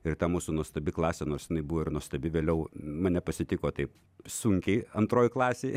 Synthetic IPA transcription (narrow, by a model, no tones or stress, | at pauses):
ɪrt̪ɐmuːsuːnuɔst̪ɐbʲɪklˠɑːsʲɛnoːrsjɪnɐɪbʊʋoːɪrnuɔst̪ɐbʲɪʋʲeːlʲɛʊmɐnʲɛpɐsʲɪt̪ʲɪkoːt̪ɐɪp | sʊŋʲkʲɛɪɐnt̪ɾoːjklˠɑːsʲeɪ